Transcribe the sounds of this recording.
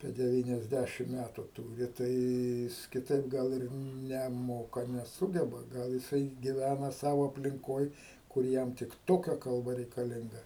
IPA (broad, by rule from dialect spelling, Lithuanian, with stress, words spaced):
ɐpʲiɛ dʲɛˌʋʲiːnʲɛzʲˈdʲæʃʲɪm ˈmʲætʊ ˈtuːrʲɪ ˈtɐɪ ˈjɪs kʲɪˈtɐɪp ɡɐlˠ ˈɪr nʲɛˈmoːkɐ nʲɛˈsuːɡʲɛbɐ ˈɡɐlˠ jɪˈsɐɪ ɡʲɪˈʋʲænɐ ˈsɑːʋoː ɐpʲlʲɪŋˈkoːj kʊr ˈjɛm tʲɪk ˈtoːkʲɛ kɐlˠˈbɐ rʲɛɪkɐˈlʲɪŋɡɐ